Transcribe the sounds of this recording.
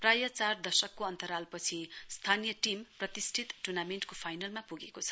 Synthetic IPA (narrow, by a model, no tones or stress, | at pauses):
prajʌt͡sard̪ʌsʌkːoʌnt̪ʌɾalpʌt͡sʰist̪ʰanijʌʈimprʌt̪isʈʰit̪ʈurnameɳʈkopʰajnʌlmapuɡekot͡sʰʌ̥